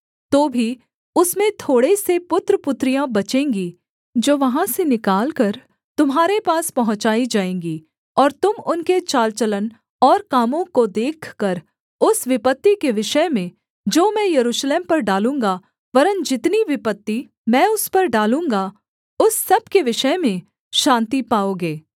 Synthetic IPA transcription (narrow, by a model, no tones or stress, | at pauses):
t̪oːbʱi | ʊsmẽt̪ʰoːɽesepʊt̪ɾəpʊt̪ːɾijãbɐt͡ʃẽːŋɡi | d͡ʒoːʋɐɦãsenɪkaːlkɐɾ | t̪ʊmɦaːɾepaːspɐɦʊ̃t͡ʃaːid͡ʒaːẽːŋɡi | ɔːɾt̪ʊmʊnket͡ʃaːlt͡ʃələn | ɔːɾkaːmõkod̪eːkʰkɐɾ | ʊsʋɪpət̪ːikeʋɪʃəmẽ | d͡ʒoːmɛ̃jɐɾuːʃleːmpɐɾɖaːlũːŋɡa | ʋɐɾənd͡ʒɪt̪niʋɪpət̪ːi | mɛ̃ːʊspɐɾɖaːlũːŋɡa | ʊsːɐb̚keʋɪʃəmẽ | ʃãːnt̪ipaːoːɡeː